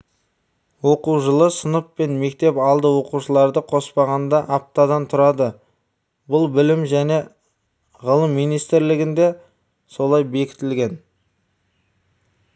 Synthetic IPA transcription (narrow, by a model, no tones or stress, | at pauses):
wo̞quwʒəlˠəsənəpːe̞nme̞k̚t̪e̞pɑlˠd̪əwo̞quʃəlˠɑɾd̪əqʰo̞spɑʁɑnd̪ɑʔɑp̚t̪ɑd̪ɑnt̪ʰʊɾɑd̪ə | bʊlˠbɪlɪmʒæne̞ | ʁəlˠəmːijnijst̪ɪɾlɪɡʲɪnd̪e̞ | so̞lˠɑjbe̞kʲɪ̥t̪ɪlɡʲe̞n